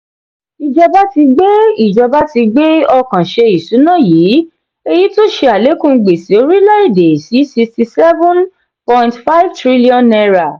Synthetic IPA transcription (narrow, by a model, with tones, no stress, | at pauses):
i˨d͡ʒɔ˧ba˦ti˧ɡ͡be˦i˦˨d͡ʒɔ˧ba˦ti˧ɡ͡be˦ɔ˧kã˨ʃe˧i˨su˨˦nã˦˨jiː˨˦ | e˧ji˦to˦ʃe˧a˨le˨˦kũ˦˧ɡ͡be˨si˨˦o˦ɾi˦lɔ˦i˦˨de˨si˨˦si˧ksti˧sɛ˦vɔ̃˦n | pɔ̃˧j̃ntfa˦i˦vtɾi˦li˦ɔ̃˧nɛ˧ɾa˨